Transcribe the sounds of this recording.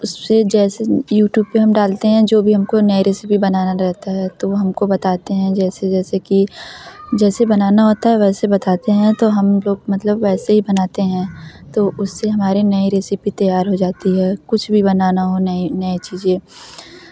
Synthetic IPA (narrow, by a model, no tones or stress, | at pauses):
ʊssed͡ʒɛːsejuːʈjuːb̚peɦɐmɖaːlt̪eɦɛ̃d͡ʒoːbʱiɦɐmkonɐiɾɪsɪpibɐnaːnaɾɛɦt̪aɦɛt̪oɦɐmkobɐt̪aːt̪eɦɛ̃d͡ʒɛːsed͡ʒɛːseki | d͡ʒɛːsebɐnaːnaɦoːt̪aɦɛʋɛːsebɐt̪aːt̪eɦɛ̃t̪oɦɐmloːɡmɐt̪ləbʋɛːseɦibɐnaːt̪eɦɛ̃t̪oʔʊsːeɦɐmaːɾinɐiɾɪsɪpit̪ɐjaːɾɦod͡ʒaːt̪iɦɛːkʊt͡ʃʰbʱibɐnaːnaɦonɐinɐit͡ʃiːzẽː